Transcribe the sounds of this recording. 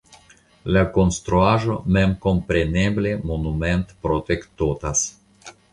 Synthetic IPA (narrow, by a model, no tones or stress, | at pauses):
lako̞nst̪ɾuaʒo̞memko̞mpɾe̞neble̞monument̪pɾot̪ekt̪ot̪as